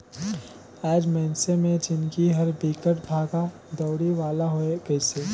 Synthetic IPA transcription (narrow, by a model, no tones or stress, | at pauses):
aːd͡ʒmɛːnsemẽd͡ʒɪnkiɦɐɾbiːkəʈbʱaːɡa | d̪ɔːɽiʋaːlaɦoekɛɪseː